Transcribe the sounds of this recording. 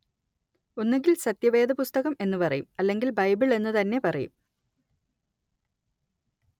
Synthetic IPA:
onːeŋɡilsɐt̪jɐʋe̞ːd̪ʱɐpust̪ɐɣɐme̞nːupɐrɐjumɐlːe̞ŋɡilbɐjbiɭe̞nːɨt̪ɐnːe̞pɐrɐjṵm

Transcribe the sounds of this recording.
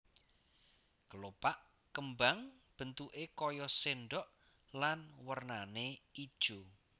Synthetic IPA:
ɡ̥əlopaʔ | kəmbaŋb̥ə̤nt̪uʔekɔjɔseɳɖɔʔ | lanwərnaneid̥ʒ̥u

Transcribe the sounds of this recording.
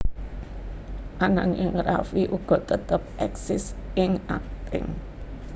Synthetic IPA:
ʔananʔɪŋɾa̰fiʔuɡ̥ɔ̤t̪ət̪əp̚ʔɛksɪsɪŋa̰k̚t̪ɪ̰ŋ

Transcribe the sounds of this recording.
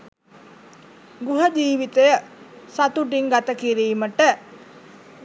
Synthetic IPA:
ɡuɦəd͡ʒiːʋit̪əjəsat̪uʈ̬iŋɡat̪əkiɾiːməʈə

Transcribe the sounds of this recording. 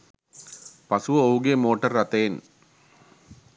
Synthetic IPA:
pɐsuʋɐouɡemoːʈɐɾːɐt̪eːn

